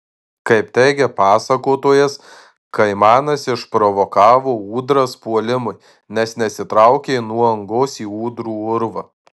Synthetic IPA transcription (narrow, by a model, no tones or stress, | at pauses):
kɐɪpt̪ʲɛɪɡʲɛpɑːsɐkoːt̪uːjɛs | kɐɪmɑːnɐsɪʃpɾɔʋɔkɑːʋoːuːd̪ɾɐspuɔlʲɪmʊɪ | nʲɛsnʲɛsʲɪt̪ɾɑʊkʲenuɔɐŋɡoːsiːuːd̪ɾuːʊɾʋɐ